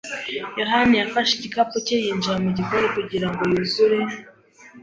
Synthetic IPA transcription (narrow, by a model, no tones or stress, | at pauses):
jo̞ɦanijafaʃeɟikapocejiːnd͡ʒiɾamuɟiko̞ɾekuɟiɾaŋɡo̞juzuɾe